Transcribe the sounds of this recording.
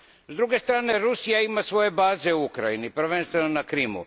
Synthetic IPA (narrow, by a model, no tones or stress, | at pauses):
zd̪ɾuɡe̞st̪ɾaːne̞ɾusijaimasʋo̞je̞baːze̞uukɾajinipɾ̩ʋenst̪ʋenonakɾimṵ